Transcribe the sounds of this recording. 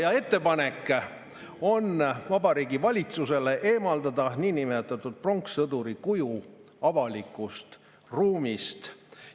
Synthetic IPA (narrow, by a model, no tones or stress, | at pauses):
jɑe̞t̪ːe̞pɑne̞kːˑ | o̞nvɑbɑɾiːɡivɑlʲit̪suse̞le̞ʔe̞ːmɑld̪ɑd̪ɑniːnimet̪ːˑɑt̪ːˑud̪̥̚pro̞ŋksɤd̪uɾikuju | ɑvɑlikːˑust̪ | ruːmist̪